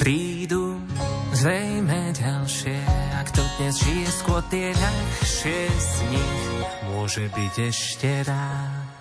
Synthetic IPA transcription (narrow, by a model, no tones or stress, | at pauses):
pɾiː | d̪u | zɾɛjmɛɟalʃɪɛakt̪ɔd̪ɲɛzʒijɛskʊɔt̪ɪɛʎaxʃɪɛzɲimʊɔʒɛbiɟɛʃcɛɾa